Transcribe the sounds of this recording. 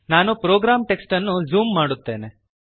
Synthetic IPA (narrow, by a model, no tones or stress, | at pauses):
naːnupɾoːɡɾaːmʈe̞ksʈɐnːuzuːmːaːɽut̪ːe̞ːne